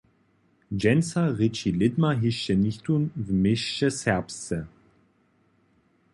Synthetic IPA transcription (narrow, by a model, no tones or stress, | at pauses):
d͡ʒɛnsaʁɪt͡ʃilɪdmaɦɪʃənɪçtunvmɪʃəshɛʁpst͡sə